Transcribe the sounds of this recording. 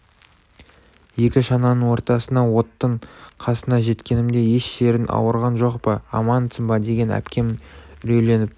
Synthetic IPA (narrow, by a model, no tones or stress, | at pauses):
je̞kʲɪʃɑnɑnəɴwo̞ɾt̪ɑsənd̪ɑwo̞t̪ːəɴqʰɑsənɑʒe̞t̪kʲe̞nɪmd̪e̞jeʃʃe̞ɾɪnʔɑ̰wəɾʁɑnʒo̞qpəɑ̰mɑnt̪səmbɑd̪e̞ɡʲe̞næ̰pkʲe̞mɾɵjle̞nɪp̚